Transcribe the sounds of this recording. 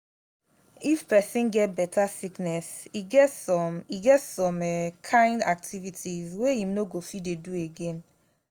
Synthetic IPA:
ifpɛsĩnɡɛt̚bɛtʰasiknɛsiɡɛtsɔ̃miɡɛtsɔ̃mɛkʰãɪ̃ndak̚tʰivitʰizweĩmnoɡofidedueɡẽn

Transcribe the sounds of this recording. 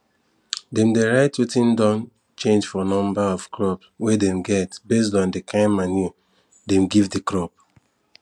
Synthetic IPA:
dẽmdeɹaɪtwitĩndɔ̃n | t͡ʃẽnd͡ʒfɔnɔ̃mbaɔv̥kɹɔpswɛdẽmɡɛtbes̬dɔ̃ndekʰãɪ̃nmani | dẽmɡivdekɹɔp

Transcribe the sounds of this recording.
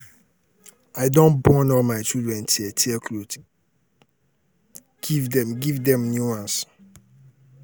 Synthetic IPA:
aɪdõnbɔnɔlmaɪt͡ʃildɹɛ̃ntʰiɛtʰiklot | ɡ̥ivdɛ̃mɡivdɛ̃mnjuãns

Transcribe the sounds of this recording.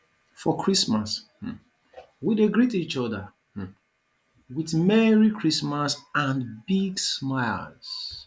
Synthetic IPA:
fɔkʰɹismas | wideɡɹitit͡ʃɔdə | wiθmɛɹikʰɹismasãnbiɡsmaɪls

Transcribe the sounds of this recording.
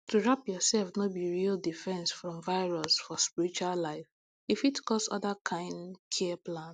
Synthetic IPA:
tʰuɹapjɔsɛlfnobiɹildifɛ̃nsfɹɔ̃mvaɪɹɔsfɔspiɹit͡ʃuallaɪf | ifitkʰɔstɔ̰ðəkʰãɪ̃ndkʰɛplãn

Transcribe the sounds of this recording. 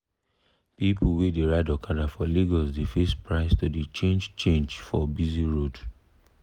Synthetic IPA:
pipʰuwedeɹaɪdakʰadafɔliɡɔlsdefespɹaɪstudet͡ʃẽnd͡ʒt͡ʃẽnd͡ʒfɔbiziɹod

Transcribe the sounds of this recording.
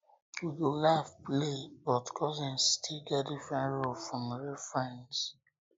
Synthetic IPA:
wiɡolafplebɔtkʰɔzɛ̃nstʰiɡadifɹãnɹolfɹɔ̃mɹefɹãns

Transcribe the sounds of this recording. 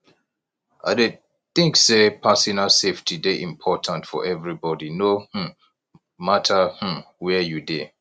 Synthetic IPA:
ʔa̰de | θɪ̃ŋksepʰasinaseftʰideʔĩmpʰɔtʰãntfɔ̰ʔɛvɹibɔdinoh̩ | matʰəhm̩wɛjude

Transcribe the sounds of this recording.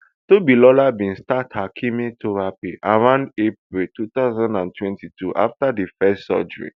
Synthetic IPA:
tobilɔlabĩnstathakʰimetʰoɹapeʔaɹãndep̚ɹiltut̪aʊzãndãntʰwɛ̃ntitʰuʔa̰ftadifɛstsɔ̰d͡ʒɔɹḭ

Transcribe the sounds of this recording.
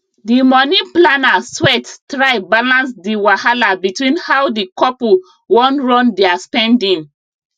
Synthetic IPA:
dimɔniplanaswɛttɹaɪbalãnsdiwahalabitwĩnhawdikɔpu | wɔ̃nɹɔ̃ndɛaspɛ̃ndĩŋ

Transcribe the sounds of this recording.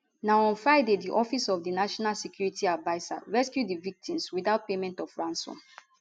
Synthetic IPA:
naɔ̃nfaɪdediʔɔfisɔfdinaʃɔnalsikjuɹitiavaɪsa̰ɹɛskjudivik̚tʰĩmswiθaʊt̚pemɛ̃ntɔfɹãnsɔ̰̃m

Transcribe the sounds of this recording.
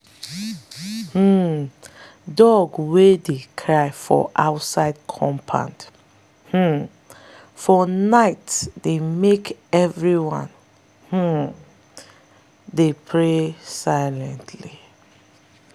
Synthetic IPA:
h̩ | dɔɡwedekʰɹaɪfɔ̰ʔa̰ʊtsaɪd̚kʰɔ̃mpʰã̰nd | h̩ | fɔnaɪtsdemekɛvɹiwãn | h̩ | depʰɹesaɪlɛ̃ntʰli

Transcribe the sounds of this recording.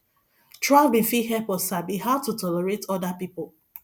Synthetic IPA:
tʰɹabĩfiɦɛpɔsabihaʊtutʰɔlɛɹetɔdapipɔ

